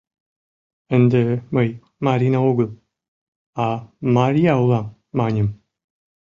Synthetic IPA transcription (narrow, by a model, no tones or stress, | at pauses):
ənd̪əməj | maɾinaoɡɨlˠ | amaɾiawlamː | aɲəm